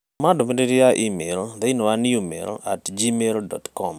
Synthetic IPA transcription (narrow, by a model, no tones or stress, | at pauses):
madɔmindeɾiaʔimeld̪einowaniumḛla̰td͡ʒimeldɔ̰tkɔm